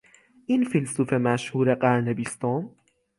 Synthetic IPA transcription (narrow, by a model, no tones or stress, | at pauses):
ʔɪnfilsʊfemaʃhuːɾeqaɾnabist̪ɔːn